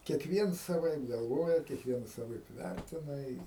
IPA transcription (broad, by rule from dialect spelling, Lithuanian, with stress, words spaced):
kʲiɛkˈʋʲiɛns sɐˈʋɐɪp ɡɐlˠˈʋoːjɛ kʲiɛkˈʋʲiɛnɐs sɐˈʋɐɪp ˈʋʲærʲtʲɪnɐ ɪ